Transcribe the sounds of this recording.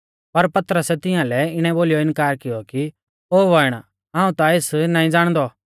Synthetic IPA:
pɐɾpɐt̪əɾəsɛt̪ɪ̃jãːlɛɪɽ̃ɛ̃boːlijɔɪ̃nkaːɾkɪjɔki | oːʋɔɪɽ̃ | ɦãːũt̪aɪsnãːĩd͡zaːɽ̃d̪ɔ

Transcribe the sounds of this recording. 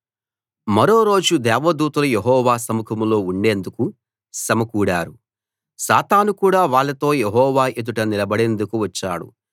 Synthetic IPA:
mɐɾo̞ːɾo̞ːd͡ʒud̪ɛːʋɐd̪uːt̪ɐlɐjeɦɔːʋaːsɐmukʰɐmlo̞ːuɳɖe̞ːnd̪uku | sɐmɐkuːɽaːɾu | saːt̪aːnukuːɽaːʋaːɭːɐt̪o̞ːjeɦɔːʋaːʔed̪uʈɐnilɐbɐɽe̞nd̪ukuʋɐt͡ʃːa̰ːɽṵ

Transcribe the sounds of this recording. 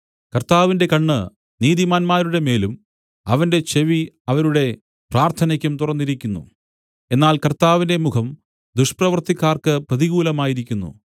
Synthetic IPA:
kɐrt̪aːʋinde̞kɐɳːɨ | niːðimaːnmaːɾuɽe̞me̞ːlum | ɐʋɐnde̞t͡ɕe̞ʋi | ɐʋɐɾuɽe̞ | praːrt̪ʰɐnɐkʲːumt̪urɐnːiɾikʲːunːṵ | e̞nːaːlkɐrt̪aːʋinde̞mukʰɐm | d̪uʂprɐʋɐrt̪ikʲːaːrkɨprɐðiɣuːlɐmaːjiɾik̬ʲːunːṵ

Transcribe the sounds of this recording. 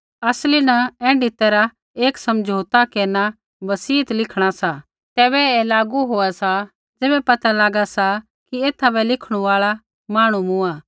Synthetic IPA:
ɐslinɐɛ̃ːɖʱɪt̪ɛɾa | eːksɐmd͡ʒʱoːt̪akeːna | bɐsiːt̪lɪkʰɽ̃asa | t̪ɛːbɛɛlaːɡuɦoːasa | d͡zeːbɛpɐt̪alaːɡasa | kieːt̪ʰabɛlɪkʰɽ̃ũaːɭa | maːɽ̃umʊ̃ãː

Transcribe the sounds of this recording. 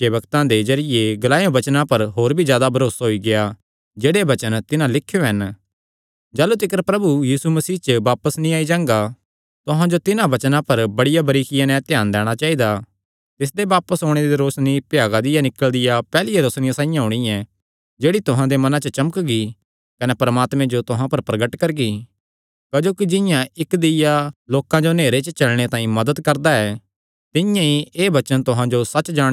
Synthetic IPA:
kebɐkt̪ãd̪ed͡ʒɐɾɪjeɡɐlaːjõbɐt͡ʃnãpɐɾɦoːɾbʱizjaːd̪abʱɐɾoːsaɦoiɡeja | d͡ʒeːɽebɐt͡ʃənt̪ɪnãlɪkʰːjoɦɐn | d͡ʒaːlut̪ɪkəɾpɾɐbujiːsumɐsiːt͡ʃəʋaːpəsnĩaːid͡ʒãːŋɡa | t̪ʊɦãd͡ʒot̪ɪnãbɐt͡ʃnãpɐɾbɐɽɪjabɐɾiːkʰɪjãnɛ̃t̪jaːnd̪ɛːɽ̃at͡ʃaːid̪a | t̪ɪs̬d̪ebaːpəsɦoːɽ̃ed̪iɾoːsnipjaːɡad̪ɪjanɪkəld̪ɪjapɛːlijeɾoːsnɪjãsãːĩjãɦʊɽ̃iɛ | d͡ʒeːɽit̪ʊɦãd̪emɐnãt͡ʃət͡ʃɐməkɡi | kɐnɛpɐɾmaːt̪mɛ̃d͡ʒot̪ʊɦãpɐɾpɾɐɡəʈkɐɾɡi | kad͡ʒoːkid͡ʒɪ̃jãɪkd̪ɪjaloːkãd͡ʒoneːɾet͡ʃət͡ʃɐlɽ̃et̪ãːĩmɐd̪əd̪kɐɾd̪aɛː | t̪ɪjãieːbɐt͡ʃənt̪ʊɦãd͡ʒosɐt͡ʃːd͡ʒãː

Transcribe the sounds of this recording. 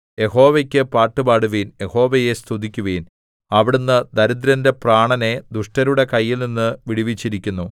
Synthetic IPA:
je̞ho̞ːʋekʲːɨpaːʈːɨbaːɽuʋiːnje̞ho̞ːʋeje̞st̪ʰud̪ikʲːuʋiːn | ɐʋiɽunːɨd̪ɐɾud̪ɾɐnde̞praːɳɐne̞d̪uʂʈɐɾuɽe̞kɐjːilninːɨʋiɽiʋit͡ɕːiɾikʲːunːu

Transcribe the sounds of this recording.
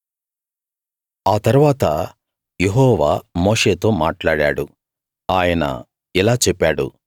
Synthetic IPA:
aːt̪ɐɾuʋaːt̪ɐ | jeɦɔːʋaːmoːʂeːt̪o̞ːmaːʈlaːɽa̰ːɽu | aːjɐnɐ̰ | ilaːt͡ʃɛpːaːɽṵ

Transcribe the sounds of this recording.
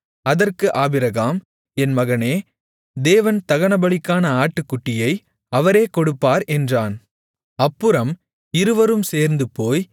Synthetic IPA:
ɐðɐrkɯʔaːbɪɾɐɣaːm | ɛnmɐɣɐneː | d̪eːʋɐnt̪ɐɣɐnɐbɐɭɪkːaːnɐaːʈːɯkːʊʈːɪjɐɪ | ɐʋɐɾeːkɔɽɯpːaːɾɛndraːn | ɐpːɯɾɐm | ɪɾɯʋɐɾɯmseːɾnd̪ɯpːoːj

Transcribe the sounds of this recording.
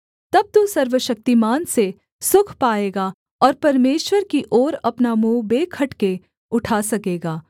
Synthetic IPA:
t̪ɐb̚t̪usɐɾʋəʃɐk̚t̪imaːnse | sʊkʰpaːeːɡa | ɔːɾpɐɾmeːʃwəɾkiʔɔːɾɐpnamuːbeːkʰɐʈke | ʊʈʰaːsɐkeːɡaː

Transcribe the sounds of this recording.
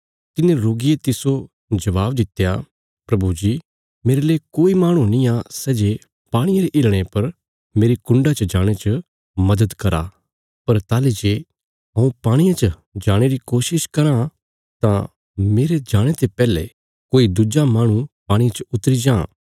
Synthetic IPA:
t̪ɪnẽɾoːɡijet̪ɪso | d͡ʒɐʋaːbd̪ɪt̪ːeja | pɾɐbud͡ʒiː | meːɾeleːkoːimaːɽ̃ũnĩasɛːd͡ʒeː | paːɽ̃ɪjaɾeʔɪːlɽ̃epɐɾ | meːɾikʊ̃ɳɖat͡ʃəd͡ʒaːɽ̃et͡ʃə | mɐd̪əd̪kɐɾa̰ː | pɐɾt̪aːled͡ʒeː | ɐũpaːɽ̃ijãt͡ʃə | d͡ʒaːɽ̃eɾikoːʃɪʃkɐɾã | t̪ã | meːɾed͡ʒaːɽ̃et̪epɛːle | koːid̪ud͡ʒamaːɽ̃ũpaːɽ̃ijãt͡ʃəʊt̪ɾid͡ʒãː

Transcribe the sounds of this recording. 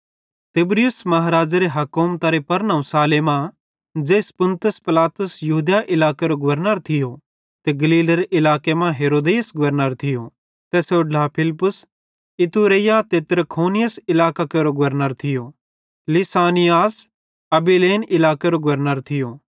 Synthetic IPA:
t̪ɪbɾɪjʊsmɐɦaɾaːd͡ʒaɾeɦɐkoːmt̪aɾepɐɾnɐũsaːlemã | d͡ʒeːspʊnt̪ʊspɪlaːt̪ʊsjɐɦud̪jaʔɪlaːkeɾoɡʊʋəɾnəɾt̪ʰɪjo | t̪eɡɐliːleɾeʔɪlaːkemãɦeːɾoːd̪eːsɡʊʋəɾnəɾt̪ʰɪjo | t̪ɛsoɖlapʰɪlpʊs | ɪt̪uɾejat̪et̪ɐɾəkʰoːnɪjəsɪlaːkakeɾoɡʊʋəɾnəɾt̪ʰɪjo | lɪsaːnɪjaːs | ɐbileːnɪlaːkeɾoɡʊʋəɾnəɾt̪ʰɪjo

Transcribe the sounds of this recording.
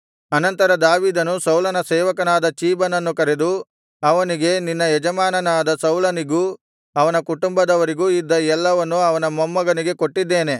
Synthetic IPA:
ɐnɐnt̪ɐɾɐd̪aːʋiːd̪ɐnusɐwlɐnɐsɛːʋɐkɐnaːd̪ɐt͡ʃiːbɐnɐnːukɐɾed̪u | ɐʋɐniɡe̞ninːɐjɛd͡ʒɐmaːnɐnaːd̪ɐsɐwlɐniɡuː | ɐʋɐnɐkuʈumbɐd̪ɐʋɐɾiɡuːid̪ːɐɛlːɐʋɐnːuɐʋɐnɐmɐmːɐɡɐniɡe̞ko̞ʈːid̪ːeːne̞

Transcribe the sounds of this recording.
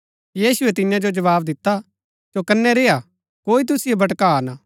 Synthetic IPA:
jiːsʊɛt̪ɪjãd͡ʒod͡ʒɐʋaːbd̪ɪt̪ːa | sokɐnːɛɾeːa | koːit̪̬ʊsɪjebɐʈkaːnaː

